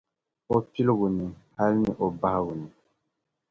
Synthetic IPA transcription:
o˦pi˦lo˦ɡu˨nĩ˨ha˦li˦ni˨ʔo˨ba˦ha˦ɡu˨nĩ˨

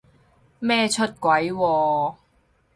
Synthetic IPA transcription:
mɛː˥t͡ʃʰɵ˥t̚kwɐ˨˦jwɔː˧

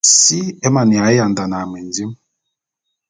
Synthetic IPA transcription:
si˦ɛ˦ma˨ni˨a˨ɛ˦ja˨nda˨na˨mɛ˨nd͡zi˦m

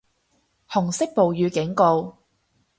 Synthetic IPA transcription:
hʊ˨˩ŋsɪ˥k̚po˨wjyː˨˧kɪ˨˥ŋko˧w

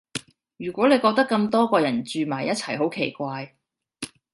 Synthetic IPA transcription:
jyː˨˩kʷɔː˨˥ne˨˧jkɔː˧k̚t̪ɐ˥kːɐ˧mt̪ɔː˥kɔː˧jɐ˨˩nt͡ʃyː˨maː˨˩jɐ˥t͡sʰɐ˨˩jɦo˨˥wkʰe˨˩jkʷaː˧j

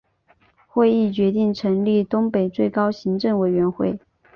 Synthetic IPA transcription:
xwe˥˧ɪi˥˩t͡ɕɥɛ˧˥t̪i˥˩ŋʈ͡ʂʰɤ˧˥ŋli˥˩t̪ʊ˥ŋpe˨˩ɪt͡swe˥˩ɪkɑ˥ʊɕi˧˥ŋʈ͡ʂɤ˥˩ŋwe˨˩ɪɥɛ˧˥nxwe˥˩ɪ

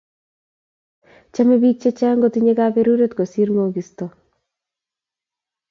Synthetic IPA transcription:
t͡ʃame˦bi˦t͡ʃːe˦t͡ʃaː˦ŋɡotiɲe˦kabeɾu˦ɾe˦t̪ko˨siɾŋo˨ɡi˨sto

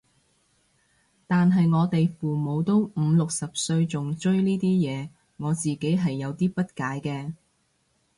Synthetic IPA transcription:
t̪aː˨nɦɐ˨jŋɔː˨˧t̪e˨jfuː˨mo˨˧wt̪o˥wm̩˨˧lʊ˨k̚sɐ˨p̚sɵ˧ɥt͡sʊ˨ŋt͡ʃɵ˥ɥliː˥t̪iː˥jɛː˨˧ | ŋɔː˨˧t͡siː˨ke˨˥jɦɐ˨jːɐ˨˧wt̪iː˥pɐ˥t̚kaː˨˥jkɛː˧

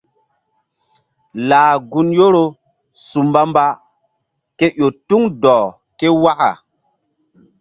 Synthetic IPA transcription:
laː˨ɡu˦njo˦ɾo˦ | su˨mba˦mba˦ | ke˦ʔo˨tu˦ŋdɔː˨ | ke˦wa˦ʔa̰˨

